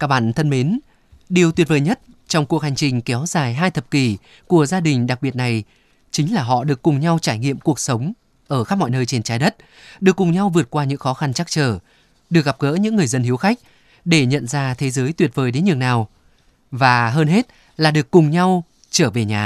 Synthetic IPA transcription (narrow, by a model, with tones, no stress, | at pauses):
kaː˦˥ɓaː˧˩nt̪ʰə˧nme˨˦n | ɗi˨˩əwt̪wt̚vəː˨˩jɲə˦˥t̚ | t͡ɕɔ˧wŋ͡mku˨˩ək̚ha˨˩ŋ̟t͡ɕï˨˩ŋ̟kɛ˨˦wzaː˨˩jɦaː˧jt̪ʰə˨˩p̚ki˧˩ | ku˧˩əzaː˧ɗï˨˩ŋ̟ɗa˨˩k̚ɓi˨˩ət̚na˨˩j | t͡ɕï˨˦ŋ̟laː˨˩ɦɔ̰˧˨ɗɨ˨˩əkːʊ˨˩ŋ͡mɲa˧wt͡ɕaː˧˩jŋḭ˧əmku˨˩ək̚sə˨˦wŋ͡m | ʔəː˧˩xa˦˥p̚mɔ̰˧˨jnəː˧jt͡ɕe˧nt͡ɕaː˨˦jɗə˦˥t̚ | ɗɨ˨˩əkːʊ˨˩ŋ͡mɲa˧wvɨ˨˩ət̚kwaː˧ɲɨ̰˧˥ŋxɔ˨˦xa˧nt͡ɕa˦˥k̚t͡ɕəː˧˩ | ɗɨ˨˩ək̚ɣa˨˩p̚ɣə̰ː˧˥ɲɨ̰˧˥ŋːɨ˨˩əjzə˧nhi˨˦əwxa˦˥jk̚ | ɗe˧˩ɲə̰˧˨nzaː˧t̪ʰe˨˦zəː˨˦jt̪wi˨˩ət̚vəː˨˩jɗe˨˦nɲɨ˨˩əŋnaː˨˩w | vaː˨˩ɦəː˧nɦe˦˥t̚ | laː˨˩ɗɨ˨˩əkːʊ˨˩ŋ͡mɲa˧w | t͡ɕəː˧˩ve˨˩ɲaː˨˩